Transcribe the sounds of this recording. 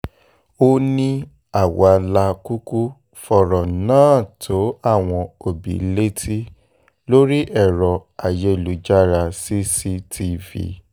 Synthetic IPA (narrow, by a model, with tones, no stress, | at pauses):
o˦nĩ˦ | a˦˨wa˧la˧ku˦ku˦ | fɔ˨ɾɔ˨nãː˦tʰo˨˦a˦˨w̃ɔ̃˧o˨bḭ˨le˦tʰi˦ | lo˦ɾi˦ʔɛ˦˨ɾɔ˨a˨je˧˨lu˨˦d͡ʒa˦ɾa˧si˦si˦tʰi˧vḭ˨